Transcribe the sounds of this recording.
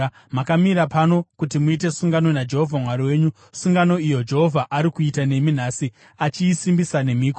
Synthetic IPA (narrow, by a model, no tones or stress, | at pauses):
makamiɾapano̞kutimuit̬e̞suŋɡano̞nad͡ʒe̞ɦovʱamwaɾiwe̞ːɲu | suŋɡano̞ijod͡ʒe̞ɦo̞vʱaʔaɾikuitane̞min̤aːsi | at͡ʃiːsimbisane̞miːko